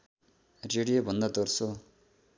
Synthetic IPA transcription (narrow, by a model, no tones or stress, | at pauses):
reɽijobʱʌnd̪ʌd̪orso